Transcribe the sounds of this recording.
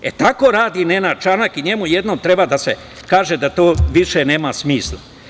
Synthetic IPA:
et̪ako̞ɾaːd̪inenat͡ʃanakiɲe̞muje̞d̪noːmt̪ɾe̞bad̪ase̞ | kaːʒed̪at̪oːʋiʃene̞ːmasmiːslˠa

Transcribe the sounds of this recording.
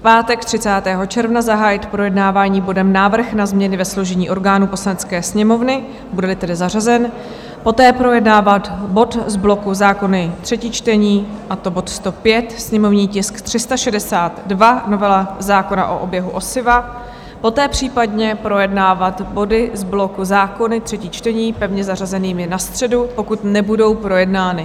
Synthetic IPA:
fpaːt̪ɛkt̪r̥ɪt͡saːt̪ɛːɦo̞t͡ʃɛɾvnazaɦaːjɪt̪pɾo̞jɛdnaːvaːɲiːbo̞dɛmnaːvr̩xnazmɲɛnɪvɛsloʒɛɲiːʔo̞ɾɡaːnuːpo̞slanɛt͡skɛːsɲɛmo̞vnɪ | budɛlɪt̪ɛdɪzar̝azɛn | po̞t̪ɛːpɾo̞jɛdnaːvat̪bo̞t̪zblo̞kuzaːko̞nɪt̪r̥ɛciːt͡ʃt̪ɛɲiːʔat̪o̞bo̞t̪st̪o̞pjɛt̪sɲɛmo̞vɲiːcɪskt̪r̝̥ɪst̪aʃɛdɛsaːt̪dvano̞vɛlazaːko̞na̰ʔo̞̰ʔobjɛɦuʔo̞sɪva | po̞t̪ɛːpr̝̥iːpadɲɛpɾo̞jɛdnaːvat̪bo̞dɪzblo̞kuzaːko̞nɪt̪r̥ɛcit͡ʃt̪ɛɲiːpɛvɲɛzarazɛniːmɪnast̪r̥ɛdupo̞kut̪nɛbudo̞wpɾo̞jɛdnaːnɪ

